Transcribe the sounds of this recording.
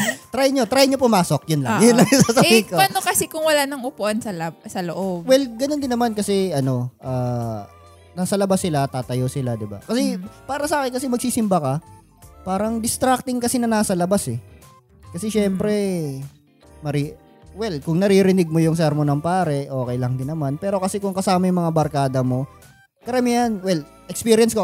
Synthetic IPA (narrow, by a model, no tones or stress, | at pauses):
t̪ɾajɲo̞t̪ɾajɲopʊmaːso̞k̚jʊnlɐŋjʊnlɐŋjʊsaːsɐbiːkopanokɐsɛkʊŋwɐlanɐŋʔʊpʊʔansɐlɐsɐloʔobwɛlɡɐnond̪ɪnːɐmankɐsɛɐno̞ʔaː | naːsɐlɐbasːɪlat̪aːt̪ɐjosɪlad̪ɪba̰kɐsɛpaːɾɐsaːkɪnkɐs̬ɛmɐɡ̚siːsɪmbɐkɐ | paːɾɐŋd̪ɪst̪ɾak̚t̪ɪŋkɐsinɐnaːsɐlɐbasɛ | kɐsɛʃɛmpɾɛ | mɐɾi | wɛlkʊŋnɐɾiɾɪnɪɡ̚mojʊŋsɛɾmonɐmpaːɾɛʔo̞ːkɛjlɐŋd̪ɪnːɐmanpɛːɾo̞kɐsɛkʊŋkɐsaːmɐjʊŋmɐŋabɐɾkaːd̪ɐmo̞ | kɐɾɐmiɐnwɛl | ʔɛkspiːɾjɐnsko